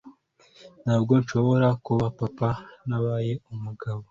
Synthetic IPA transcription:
n̥haːbɡo̞nʃo̞βo̞ɾakuβapapanaβaje̞umuɡaβo

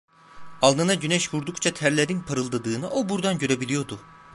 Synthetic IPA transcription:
alˠd̪ɯnaɟynɛʃvuɾd̪ukt͡ʃʰat̪ʰæɾlʲeɾinpʰaɾɯlˠd̪ad̪ɯːnɯʔobuɾd̪anɟø̞ɾebilʲijo̞ɾd̪u

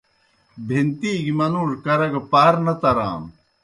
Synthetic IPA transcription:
bʱint̪iːɡimɐnuːʐkɐɾɐɡɐpaːɾnɐt̪ɐɾa̰ːm

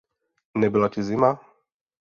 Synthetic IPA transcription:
nɛbilacizima

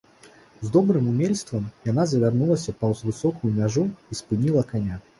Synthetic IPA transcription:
zd̪ɔbɾɨmumʲelʲst̪vɐmjanazɐvʲarnulˠɐsʲɐpɐwzvɨsɔkujumʲaʐuispɨnʲilˠɐkanʲa

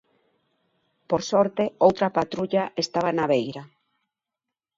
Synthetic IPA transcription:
poɾsɔɾt̪eowt̪ɾapat̪ɾuʎaʔest̪aβ̞anaβejɾa

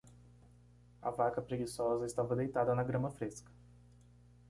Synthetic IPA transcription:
ɐ̰vakɐpɾeɡisɔzɐɪst̪avɐd̪ejt̪ad̪ɐnɐɡɾɐ̃mɐfɾeskɐ̥

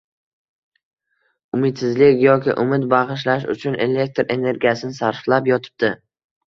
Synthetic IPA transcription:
ʊmɪt̪sɪzlɪkʲjɒkʲɪ̰ʔʊmɪt̪bɑʁɨʃ̬laʃ̬ʊ̰t͡ʃʰʊne̞le̞k̚ʲt̪ɾe̞ne̞ɾɡʲijasɪnɪsaɾflapjɒt̪ʰɪ̥b̚d̪ɪ

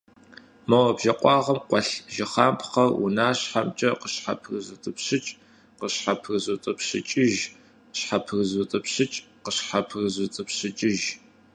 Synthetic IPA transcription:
mɐwɐbʒɐqʷʼɑːʁɐmqʷɔɬʒɪχaːmpʰχɐrṵnaːɕħamt͡ʃʼɐqəɕħa̰pʰrɨzɨtʼɨpɕɨt͡ʃʼ | qəɕħapʰrɨzɨtʼɨpɕɪt͡ʃʼɪʒ | ɕħapʰrɨzɨtʼɨpɕɨt͡ʃʼ | qəɕħapʰrɨzɨt͡sʼɨpɕɨt͡ʃʼɪʒ

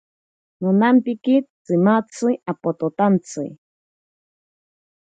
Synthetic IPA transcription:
nunampikit͡sɨmat͡sɨjapot̪ot̪ant͡sɨj

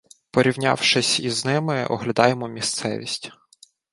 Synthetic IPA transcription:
pɔɾʲiwnʲɑ̰wʃɪsʲiznɪmɪɔ̰ɦlʲɐd̪ɑjemɔmʲist̪sɛ̰ʋʲisʲtʲ

